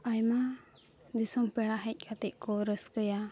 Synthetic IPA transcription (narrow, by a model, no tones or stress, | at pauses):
ajma | d̪isɔmpɛɽaɦɛc̚ˀkʰat̪ɛʔkɔɾəskəja